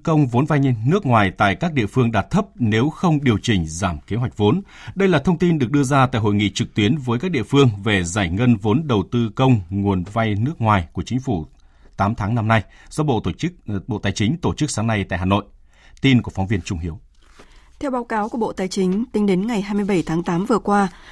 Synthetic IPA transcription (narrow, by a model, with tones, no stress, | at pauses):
kə˧wŋ͡mvo˨˦nva˧jnɨ˦˥ək̚ŋwaː˨˩jt̪a̰ː˧˨jkaː˦˥k̚ɗḭ˧˨əfɨ˧əŋɗaː˨˩t̚t̪ʰə˦˥p̚ne˨˦wxə˧wŋ͡mɗi˨˩əwt͡ɕï˨˩ŋ̟zaː˧˩mke˨˦ɦwa˨˩jk̚vo˨˦nɗə˧jlaː˨˩t̪ʰə˧wŋ͡mt̪i˧nɗɨ˨˩ək̚ɗɨ˧əzaː˧t̪a̰ː˧˨jɦo̰˧˨jŋḭ˧˨t͡ɕɨ˨˩k̚t̪wi˨˦ənvəː˨˦jk̬aː˦˥k̚ɗḭ˧˨əfɨ˧əŋve˨˩zaː˧˩jŋə˧nvo˨˦nɗə˨˩wt̪ɨ˧kə˧wŋ͡mŋu˨˩ənva˧jnɨ˦˥ək̚ŋwaː˨˩jku˧˩ət͡ɕï˨˦ŋ̟fu˧˩ | t̪aː˨˦mt̪ʰaː˨˦ŋna˧mna˧jzɔ˨˧ɓo̰˧˨˧ɓo̰˧˨t̪aː˨˩jt͡ɕï˨˦ŋ̟t̪o˧˩t͡ɕɨ˦˥k̚saː˨˦ŋna˧jt̪a̰ː˧˨jɦaː˨˩no̰˧˨j | t̪i˧nku˧˩əfɔ˨˦wŋ͡mvi˧ənt͡ɕʊ˧ŋ͡mhi˨˦əw | t̪ʰɛ˧wɓaː˨˦wkaː˨˦wku˧˩əɓo̰˧˨t̪aː˨˩jt͡ɕï˨˦ŋ̟t̪ï˧ŋɗe˨˦nŋa˨˩jɦaː˧jmɨ˧əjɓə˧˩jt̪ʰaː˨˦ŋt̪aː˨˦mvɨ˨˩əkwaː˧